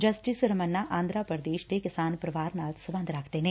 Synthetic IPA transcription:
d͡ʒəsʈisɾəmənːaːʔãːnd̪ɾaːpəɾd̪eːʃd̪eːkɪsaːnpɾəʋaːɾnaːlsəbə̃nd̪ɾəkʰd̪eːneː

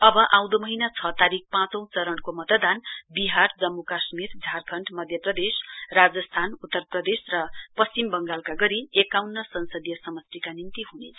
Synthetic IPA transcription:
ʌbʌʔãw̃d̪omʌɦinat͡sʰʌt̪aɾik̚pãt͡sʌ̃w̃t͡sʌɾʌnkomʌt̪d̪anbiɦard͡zʌmːukasmird͡zʱarkʰʌɳɖmʌd̪ʱjʌprʌd̪esrad͡zʌst̪ʰanut̪ːʌrprʌd̪esrʌpʌst͡simbʌŋɡalkaɡʌɾiekawnːʌsʌnsʌd̪ijʌsʌmʌst̪ikanint̪iɦunet͡sʰʌ

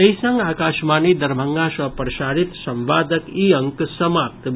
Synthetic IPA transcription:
eisɐŋɡaːkaːʃmaːnid̪ɐɾbʱɐŋɡasɐpɾɐʃaːɾit̪sɐ̃mʋaːd̪əkiːɐŋksɐmaːp̚t̪

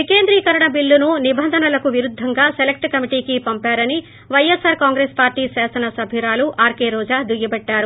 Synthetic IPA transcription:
ʋikeːnd̪ɾiːkɐɾɐɳɐbiɭːununibɐnd̪ʱɐnɐlɐkuʋiɾud̪ʱːɐŋɡaːselek̚ʈkɐmiʈiːkipɐmpaːɾɐni | ʋɐjesaːɾkaːŋɡɾeːspaːɾʈiːsaːsɐnɐsɐbʱiɾaːluʔʔaːɾkeːɾɔːd͡ʒaːd̪uɡibɐɖːaːɾu

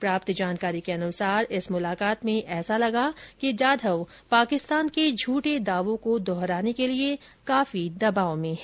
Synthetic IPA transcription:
pɾaːpt̪d͡ʒaːnkaːɾikeɐnʊsaːɾɪsmʊlaːkaːt̪mẽʔɛːsalɐɡakid͡ʒaːd̪ʱəʋ | paːkɪst̪aːnked͡ʒʱuːʈed̪aːʋõkod̪ɔːɦɾaːnekelie | kaːfid̪ɐbaːomẽɦɛː

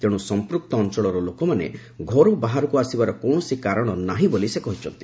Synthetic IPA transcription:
t̪eɽ̃usɔmpɾuk̚t̪ɔːnt͡ʃɔɭɔɾɔlokɔmanḛ | ɡʱɔɾubaɦaɾɔkuasibaɾɔkɔɳ̃ɔsikaɾɔɽ̃ɔnaɦĩbolisekɔɦit͡ʃʰɔnt̪i

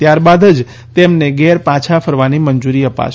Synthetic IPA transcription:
t̪jaɾbad̪əd͡ʒ | t̪emneɡɛɾpãt͡ʃʰafʰəɾʋaniməɲd͡ʒuɾiəpa̰ʃ

